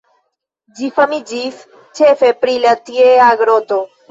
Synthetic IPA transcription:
d͡ʒifɐmid͡ʒif | t͡ʃʰefepɾilɐt̪ieaɡɾot̪o

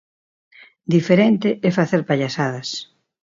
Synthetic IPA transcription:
d̪ifeɾent̪ɪʔɛfaθeɾpaʎasað̞ɐs

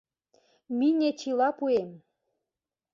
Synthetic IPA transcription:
minʲet͡ɕilɑpuem

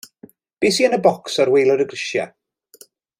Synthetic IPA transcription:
b̥eːsiːənəbɔksaɾwejlˠəɾəɡrɪʃja̰

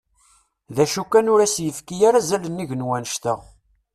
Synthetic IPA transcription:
ðæʃukːænʊɾæsjəfkːijaɾazælənːiʝənwænəʃt̪əʁ

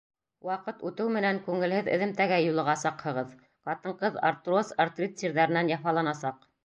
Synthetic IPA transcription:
wɑqɤt̪ʉt̪ɘwmɘ̆næŋkʉŋɘ̆lhɘðɘ̰̆ðɘ̆mt̪æɡæjulˠɤ̆ʁɑsɑqhɤ̆ʁɤð | qɑt̪ɤ̆ɴqɤða̰ɾt̪rosart̪rʲit̪sʲiɾðæɾɘ̆nænjɑfɑlˠɑnɑsɑq

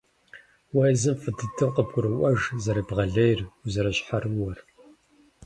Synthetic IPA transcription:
wajzɨmfɨdɨdʰɨwqəbɡʷʼʊɾɨwʷɐʒzɐɾibʁɐɮɐjrzɐɾɐɕħaɾɨwɔr

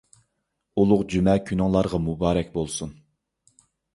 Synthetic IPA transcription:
ulˠʊqd͡ʒymɛkʲʰynɑŋlˠɑɾʁɑmubɑːɾɛkʲbolˠsun

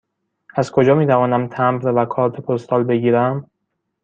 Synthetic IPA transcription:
æzkʰo̞d͡ʒɒːmiːt̪ʰævɒːnæmt̪ʰæmbɾvækʰɒːɾt̪ʰepʰost̪ɒːlbe̞ɡiːɾæm

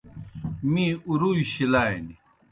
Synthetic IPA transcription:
mĩuɾuiɕilaeni

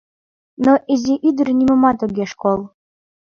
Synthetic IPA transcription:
noʔizʲiʔyd̪əɾnʲimŏmɑt̪oɡʲeʃkolˠ

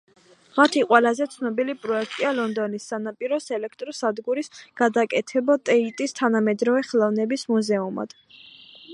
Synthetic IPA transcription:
mat̪ʰiqʼwɛlazɛt̪sʰnɔbilipʼɾɔɛkʰt̪ʼialɔnd̪ɔnisːanapʼiɾɔsɛlɛkʰt̪ʼɾɔsad̪ɡuɾisɡ̥ad̪akʼɛt̪ʰɛbat̪ʼɛit̪ʼist̪ʰanamɛd̪ɾɔvɛχɛlˠɔvnɛbismuzɛuma̰d̪̥

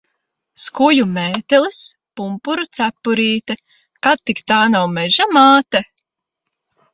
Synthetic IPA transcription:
skujumɛːt̪ɛlˠispumpuɾut̪sæpːuɾiːt̪ɛ | kat̪̚t̪ːikt̪aːnawmɛʒamaːt̪ɛ

